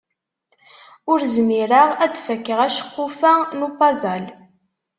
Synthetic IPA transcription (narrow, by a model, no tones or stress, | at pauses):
ʊɾzmiɾəʁæd̪fəkːəʁæʃə̥qːʊfænupɑzɑl